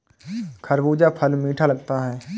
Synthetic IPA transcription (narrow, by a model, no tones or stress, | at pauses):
kʰəɾbuːd͡ʒapʰəlmiːʈʰaləɡt̪aɦɛː